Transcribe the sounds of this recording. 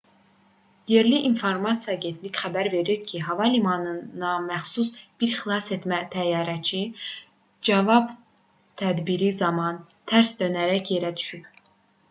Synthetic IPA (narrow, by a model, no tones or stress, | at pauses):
je̞ɾliʔːnfoɾmɑt̪sjɑːɟe̞nt̪ʰlicχæbæɾve̞ɾiɾcʰiɦɑvɑlimɑnɯnɑmæχsusb̥iɾxilˠɑset̪mæt̪ʰæjɑːɾæt͡ʃʰi | d͡ʒɑvɑb | t̪ʰæd̪biɾizɑmɑn | t̪ʰæɾsd̪ønæɾæcʰje̞ɾæd̪y̥ʃyp